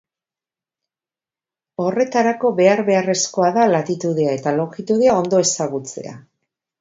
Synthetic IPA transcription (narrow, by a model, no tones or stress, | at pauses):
o̞re̞t̪aɾako̞βe̞aɾβe̞are̞sko̞aðalat̪it̪uðeae̞t̪alo̞xit̪uðeao̞nd̪o̞e̞saɣut͡se̞̰a̰